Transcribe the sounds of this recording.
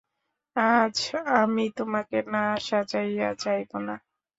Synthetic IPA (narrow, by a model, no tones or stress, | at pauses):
ad͡ʑʰamit̪omakenaaʃat͡ɕajat͡ɕajbona